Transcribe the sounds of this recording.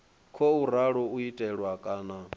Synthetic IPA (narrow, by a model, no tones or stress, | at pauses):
kʰouɾaɺɔuitʼɛɺwakʼaːna